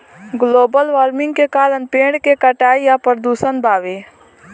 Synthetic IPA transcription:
ɡloːbəlʋaːɾmɪ̃ŋɡ̚kekaːɾənpẽːɳɖkekəʈaːijapəɾd̪uːsənbaːʋeː

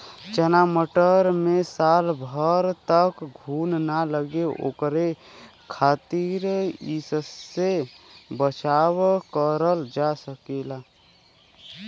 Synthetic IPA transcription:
t͡ʃənaməʈəɾmẽsaːlbʱəɾt̪əkɡʱuːnnaləɡeʔo̰ːkɾe | kʰaːt̪iɾisəsːe | bət͡ʃawkəɾəld͡ʒasəkelaː

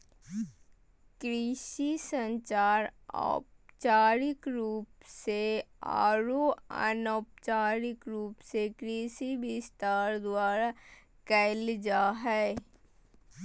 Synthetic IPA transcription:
kɾiːʃisə̃ɲt͡ʃaːɾɔ̰ːp̚t͡ʃaːɾɪkɾuːpsea̰ːɾoə̰nɔːpt͡ʃaːɾɪkɾuːpsekɾiːʃiʋɪst̪aːɾd̪waːɾa | kɛɪld͡ʒaːɦɛː

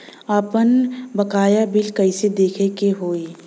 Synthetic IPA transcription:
aːpənbɐkaːjabɪlkɐɪsed̪eːkʰekeɦoːi

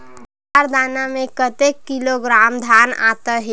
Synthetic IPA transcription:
aɾd̪aːnamẽkət̪ekːiloɡɾaːmd̪ʱaːna̰ːt̪əɦe

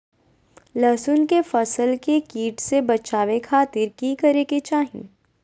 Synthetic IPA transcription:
lɐsʊnkefɐsəlkekiːʈsebɐt͡ʃaːʋekʰaːt̪ɪɾkikɐɾeːket͡ʃaːɦḭ̃

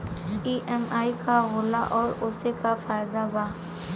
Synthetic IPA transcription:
iːʔɛmaːikaɣʊːlaʔɔːɾʊːsekafaːɪd̪abaː

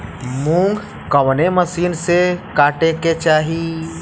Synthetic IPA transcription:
mũːŋɡ | kɐʋneməsiːnsekaːʈeket͡ʃaːɦi

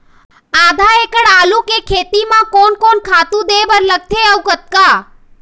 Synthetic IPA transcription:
ad̪ʱaekəɽaːlukekʰet̪imãkonkonkʰat̪ũd̪eʋəɾləɡ̚t̪ʰeəwkət̪̚ka

